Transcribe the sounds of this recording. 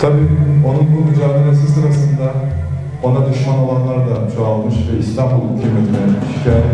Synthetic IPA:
t̪ʰabiːo̞nunbuɾmyd͡ʒaːd̪eɾes̬isɯɾasɯnd̪a | o̞nad̪yʃmanolˠanlˠaɾd̪at͡ʃʰaalˠmɯʃvɛist̪ʰambulˠucʰʲlʲimet̪ʰinjat̪mi̥ʃcʰa

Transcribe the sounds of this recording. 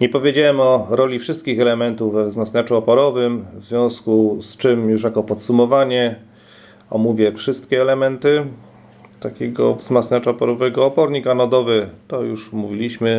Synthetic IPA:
ɲɛpɔvʲjed͡ʑawɛmɔɾɔlʲifʂɘst̪̚kʲixɛlɛmɛnt̪uvːɛvzmat̪snat͡ʂuɔpɔɾɔvɘmvzvʲjɔ̃w̃skust͡ʂɘmjuʂjakɔpɔt̪sumɔvaɲɛ | ɔmuvʲjɛfʂɘst̪̚kʲɛːlɛmɛnt̪ɘ | t̪akʲeɡɔ̰vzmat̪snat͡ʂaːpɔɾɔvɛɡɔːpɔɾɲikanɔd̪ɔvɘt̪ɔjuʂmuvʲilʲiɕmɘ

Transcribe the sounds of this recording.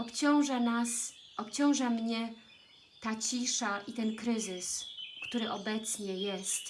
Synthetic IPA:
ɔpt͡ɕɔ̃w̃ʐanasʔɔpʲt͡ɕɔ̃w̃ʐamɲɛ | t̪at͡ɕiʂaʔit̪ɛnkɾɘzɘskt̪uɾɘʔɔbɛt̪sɲɛjɛst̪

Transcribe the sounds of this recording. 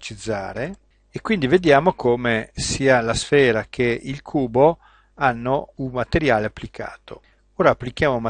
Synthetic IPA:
t͡ʃid̪zːa̰ːɾe | ekːwind̪ived̪jaːmokʰoːmesiːalasfɛːɾakʰeilkʰuːbo | anːouŋmːat̪eɾjaːleapːlikʰa̰ːt̪o̰ | oːɾaːpːlikjaːmouma

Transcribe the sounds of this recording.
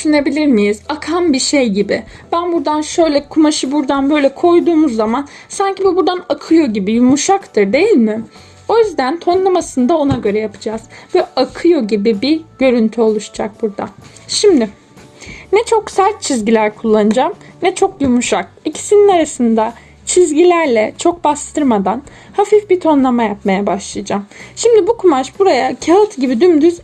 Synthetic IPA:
yʃyne̞bilʲiɾmijiz̥akʰambiʃejɟibɪ | b̥ænbuɾd̪anʃø̞jlʲɛkʰumaʃɯbuɾd̪anbø̞jlʲɛkʰo̞jd̪uːmuzːaman | saɲcibibuɾd̪anakʰɯjo̞ɟibijumuʃakt̪ʰɯɾd̪e̞jilʲmɪ | o̞jyzd̪ænt̪ʰo̞nlˠamasɯnd̪ao̞naɟø̞ɾɛjapʰɯ̥d͡ʒaːz̥vɛakʰɯjo̞ɟibibiɟø̞ɾynt̪ʰyo̞lˠuʃd͡ʒak̚buɾd̪a̰ | ʃimd̪ɪ | nɛt͡ʃʰo̞ksæɾt̪̚t͡ʃʰizɟilʲæɾkʰulˠːanɯd͡ʒamnɛt͡ʃʰo̞kjumuʃak̚icʰi̥sininaɾasɯnd̪a | t͡ʃʰizɟilʲæɾlʲɛt͡ʃʰo̞k̚bast̪ʰɯɾmad̪an | hafifbit̪ʰo̞nlˠamajapmajabaʃlˠajad͡ʒamʃimd̪ibukʰumaʃbuɾajacʰalˠɯt̪ʰɯɟibid̪ymd̪yz

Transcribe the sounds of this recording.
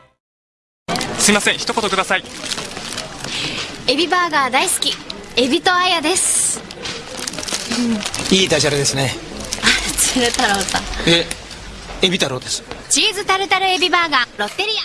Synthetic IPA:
sɨɾʲimasẽɰ̃çi̥t̪o̞ko̞t̪o̞kɯd̪asai | e̞bʲibaːɡaːd̪aisɨ̥kʲie̞bʲit̪o̞ajad̪e̞sɨ̥ | iːd̪aʑaɾɯd̪e̞sɨne̞ | asɨɾɯt̪aɾoːsa̰e | ebʲit̪aɾo̞ːd̪esɨ̥t͡ɕiːzɨt̪aɾɯ̟t̪aɾɯ̟e̞bʲibaːɡaɾo̞t̪ːe̞ɾʲija

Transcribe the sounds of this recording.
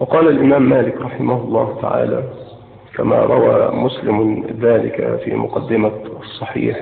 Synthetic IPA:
wɑqɑːlalʔɪmaːmːaːlɪkɾˤɑħɪmahʊlˤːɑːht̪a̰ʕa̰ːlaː | kama̰ːɾˤɑwaːmʊslɪmðaːlɪka̰fḭːmʊqɑd̪ːɪmaɑsˤːɑħḭːħ

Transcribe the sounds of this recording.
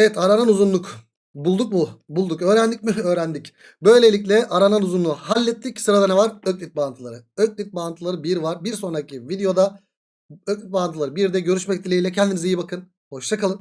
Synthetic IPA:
evɛt̪ʰaɾananuzunlˠuk | bulˠd̪uk̚mubulˠd̪ukø̞ːɾænd̪icmiø̞ːɾænd̪ic | bø̞jlʲe̞lʲic̬lʲɛʔaɾananuzunlˠuhalʲːɛt̪ːicsɯɾad̪anɛvaɾøc̚lʲit̪̚baant̪ʰɯlˠaɾɯøc̚lʲit̪̚baant̪ʰɯlˠaɾɯbiɾvaɾbiɾso̞nɾacivid̪ejo̞d̪a | øclʲyt̪̚baːant̪ʰɯlˠaɾɯbiɾd̪ɛɟø̞ɾyʃmɛc̚t̪ʰilʲeilʲɛcʰɛnd̪inizijibakʰɯn | ho̞ʃt̪ʰakalˠɯm

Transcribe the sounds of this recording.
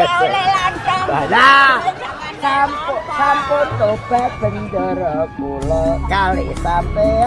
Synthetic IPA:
bana | sampʊsampʊnt̪ob̥ɛʔ̚b̥əndəɾɔkulɔkalesampɛ

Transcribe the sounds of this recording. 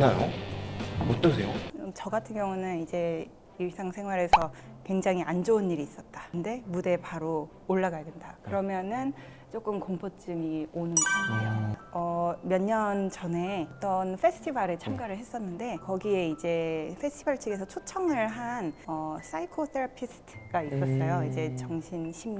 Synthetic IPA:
najo̰ | ʌt͈ʌsʰejomt͡ɕʌɡatʰɯnɡjʌŋunɯnid͡ʑe̞ | iɭs͈aŋsʰe̞ŋɦwaɾe̞sʰʌkwe̞ŋd͡ʑaŋɦiand͡ʑounːiɾiːs͈ʌt̚t͈ḁɯnde̞mude̞paɾoː | ɭːaɡajʌdendakɯɾʌmjʌnɯn | t͡ɕ͈ok͈ɯmkoŋpʰot͡ɕ͈ɯmionɯnɡʌ | ʌmjʌɲːʌnt͡ɕʌne̞t͈ʌnfʰe̞sʰɯ̥tʰibaɾet͡ɕʰamɡaɾɯɭɦe̞s͈ʌnːɯnde̞kʌɡie̞id͡ʑe̞pʰe̞sʰtʰibaɭt͡ɕʰiɡe̞sʰʌt͡ɕʰot͡ɕʰʌŋɯɭɦanʌs͈ʰaikʰoθʰeɾapʰisʰɯ̥tʰɯ̥ɡais͈ʌs̬͈ʌjoid͡ʑe̞t͡ɕʌŋɕʰinɕʰim

